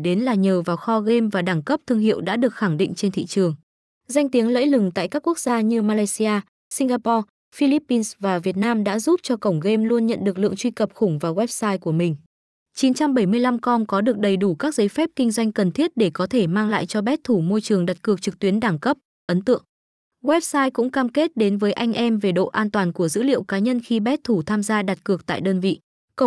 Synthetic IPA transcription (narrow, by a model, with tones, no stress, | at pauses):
ɗe˨˦nlaː˨˩ɲəː˨˩vaː˨˩wxɔ˧ɣe˧mvaː˨˩ɗaː˧˩ŋkə˦˥p̚t̪ʰɨ˧əŋhḭ˧˨wɗa̰ː˧˥ɗɨ˨˩ək̚xa˧˩ŋɗḭ̈˧˨ŋ̟t͡ɕe˧nt̪ʰḭ˧˨t͡ɕɨ˨˩əŋ | za˧jŋ̟t̪i˨˦əŋlə̰ː˧˥jlɨ˨˩ŋt̪a̰ː˧˨jkaː˦˥kːu˦˥ək̚zaː˧ɲɨ˧maː˧laː˧jsi˧aː˧ | si˧ŋɣaː˧pɔ˧ | fi˧li˦˥pːi˧nsvaː˨˩vi˨˩ət̚naː˧mɗa̰ː˧˥zu˦˥p̚t͡ɕɔ˧kə˧˩wŋ͡mɣe˧mlu˧ənɲə̰˧˨nɗɨ˨˩ək̚lɨ̰˧˨əŋt͡ɕwi˧kə˨˩p̚xʊ˧˩ŋ͡mvaː˨˩wɛ˦˥p̚saː˧jku˧˩əmï˨˩ŋ̟ | t͡ɕi˨˦nt͡ɕa˧mɓə˧˩jmɨ˧əjla˧mkɔ˧nkɔ˨˦ɗɨ˨˩ək̚ɗə˨˩jɗu˧˩kaː˦˥k̚zə˨˦jfɛ˦˥p̚kï˧ŋ̟zwa˧jŋ̟kə˨˩nt̪ʰi˦˥ət̚ɗe˧˩kɔ˨˦t̪ʰe˧˩maː˧ŋla̰ː˧˨jt͡ɕɔ˧ɓɛ˦˥t̚t̪ʰu˧˩mo˧jt͡ɕɨ˨˩əŋɗa˨˩t̚kɨ˨˩ək̚t͡ɕɨ˨˩k̚t̪wənɗaː˧˩ŋkə˦˥p̚ | ʔə˨˦nt̪ɨ̰˧˨əŋ | wɛ˦˥p̚saː˧jkʊ̰˧˥ŋ͡mkaː˧mke˦˥t̚ɗe˨˦nvəː˨˦jʔa˧jŋ̟ʔɛ˧mve˨˩ɗo̰˧˨ʔaː˧nt̪waː˨˩nku˧˩əzɨ̰˧˥lḭ˧˨əwkaː˨˦ɲə˧nxi˧ɓɛ˦˥t̚t̪ʰu˧˩t̪ʰaː˧mzaː˧ɗa˨˩t̚kɨ˨˩ək̚t̪a̰ː˧˨jɗəː˧nvḭ˧˨ | kə˧˩